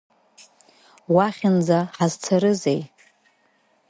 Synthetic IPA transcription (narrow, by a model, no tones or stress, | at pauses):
waχʲɪnd͡zaħazt͡sʰaɾɨzej